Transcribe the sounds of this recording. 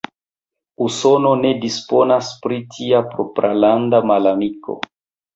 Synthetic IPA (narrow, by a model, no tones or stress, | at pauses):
uso̞no̞ne̞dispo̞naspɾitʰiapɾo̞pɾalandamalamiko̞̰